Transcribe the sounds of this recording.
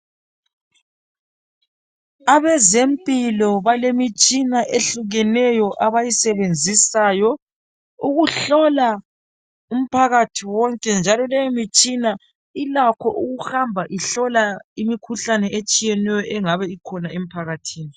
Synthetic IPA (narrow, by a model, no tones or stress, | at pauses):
aβɛzempʼilɔβalemit͡ʃʼinaʔeɬuɣɛnɛjɔʔaβajisɛβend͡zʱisajɔ | uɣuɬɔla | um̩pʰaɣatʰiwɔŋkʼɛnd͡ʒʱalɔlɛjemit͡ʃʼina | ilakʰɔʔuɣuxambʱaʔiɬɔlaimikʰuɬanɛet͡ʃʼijɛnɛjɔʔɛŋaβɛikʰɔnaem̩pʰaɣatʰiːni